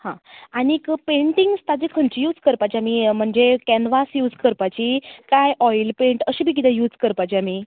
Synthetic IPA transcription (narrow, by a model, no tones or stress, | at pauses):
hãanikpẽɳʈiŋɡst̪ad͡zikʰəɳt͡ɕijuːd͡zkəɾpat͡ɕamim̤əɳd͡zekɛnʋasjuːd͡zkəɾpat͡ɕikajʔɔjlpẽɳʈəɕiːbʱiːk̬id̪ɛ̃juːd͡zkəɾpajt͡ɕiami